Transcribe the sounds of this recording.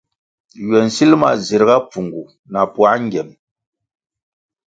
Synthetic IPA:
jɥɛ˨n̩˨si˦lma̰˨zi˨ɾɣa˦p͡fu˨ŋɡu˨ | na˨pwa˦ŋ˦ɡɛ˨m

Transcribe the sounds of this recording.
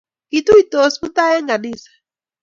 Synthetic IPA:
i˨tu˦i˨to˦smu˦ta˦jɛ˦ŋɡa˨niː˨sḁ

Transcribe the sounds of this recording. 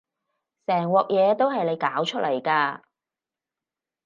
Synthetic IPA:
sɛː˨˩ŋwɔː˨k̚jɛː˨˧t̪o˥wɦɐ˨jle˨˧jkaː˨˥wt͡ʃʰɵ˥t̚lɐ˨˩jkaː˧

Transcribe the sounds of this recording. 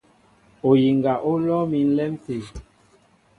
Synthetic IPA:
o˨ji˨ŋɡa˨ʔo˦lɔ˦mi˨˦n̩˦lɛ˦mte˨

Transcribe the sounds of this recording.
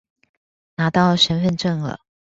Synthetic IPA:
na˧˥t̪ɑ˥˩ʊɕə˧˥nfə˥˧nʈ͡ʂə˥˩ŋlə̰˨˩

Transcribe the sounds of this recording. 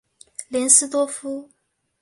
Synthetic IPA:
ljɛ˧˥nsɹ̩˥t̪wɔ˥fu˥

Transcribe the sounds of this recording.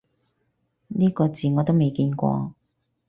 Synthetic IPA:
niː˥kɔː˧t͡siː˨ŋɔː˨˧t̪o˥wme˨jkiː˧nkʷɔ̰ː˧

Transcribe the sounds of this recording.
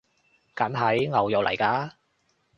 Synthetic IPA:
kɐ˨˥nɦɐ˨˥jŋɐ˨wjɔ˨wlɐ̰˨˩jkaː˧

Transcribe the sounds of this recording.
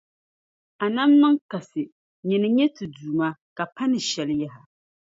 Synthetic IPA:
a˨na˦mːɨ˦ŋ˦ka˨sɨ˨ | ɲɛ˨nɨ˨ɲɛ˦tɨ˨duː˨ma˦ka˨pa˦nɨ˨ʃɛ˨lɪ˦ja˦ɦa˨

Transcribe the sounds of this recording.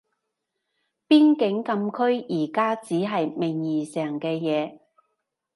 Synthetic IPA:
piː˥nkɪ˨˥ŋkɐ˧mkʰɵ˥ɥjiː˨˩kaː˥t͡siː˨˥ɦɐ˨jmɪ˨ŋjiː˨˩sɛː˨˩ŋkɛː˧jɛː˨˧

